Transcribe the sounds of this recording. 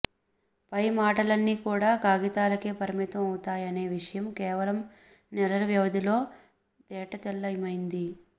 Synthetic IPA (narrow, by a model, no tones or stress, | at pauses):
pɐjmaːʈɐlɐnːiːkuːɽaːkaːɡit̪aːlɐke̞ːpɐɾimit̪ɐmɐwut̪aːjɐne̞ːʋiʂɐjɐmkɛːʋɐlɐm | nɛlɐɾɐʋjɐʋɐd̪ilo̞ː | t̪ɛːʈɐt̪ɛlːɐjmɐjind̪i